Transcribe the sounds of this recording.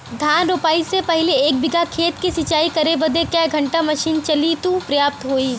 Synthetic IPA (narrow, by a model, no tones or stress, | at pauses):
d̪ʱjaːnɾoːpaːisepɛɦleeːk̚bɪɡakʰeːt̪kisɪt͡ʃaːikɐɾebɐd̪ekjaːɦɡʱɐ̃ɳʈamɐʃiːnt͡ʃɐlit̪upɾɐjaːp̚t̪ɦoːiː